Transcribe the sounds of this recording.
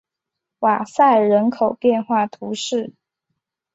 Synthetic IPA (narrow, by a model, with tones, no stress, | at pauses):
wa˨˩sa˥˩ɪɻə˧˦nkʰo˨˩ʊpjɛ˥˧nxwa˥˩t̪ʰu˧˥ʂɻ̩˥˩